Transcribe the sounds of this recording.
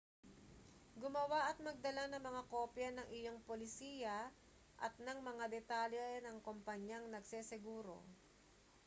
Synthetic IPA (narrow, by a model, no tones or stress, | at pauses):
ɡʊmɐwaʔɐt̪̚mɐɡ̚d̪ɐlanɐŋmɐŋako̞ːpjɐnɐŋʔɪjo̞ŋpolɪsiːjɐ | ʔɐt̪̚nɐŋmɐŋad̪ɛt̪aljɛnɐŋkompɐɲjaŋnɐɡsɛsɛɡuːɾo̞̰